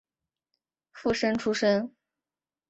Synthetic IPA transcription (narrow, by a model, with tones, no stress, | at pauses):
fu˥˩ʂə˥nʈ͡ʂʰu˥ʂə˥n